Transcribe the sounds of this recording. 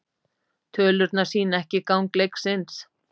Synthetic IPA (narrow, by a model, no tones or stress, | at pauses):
t̪ʰœːlʏɾt̪nḁsiːnaɛhcɪkawŋklejksɪns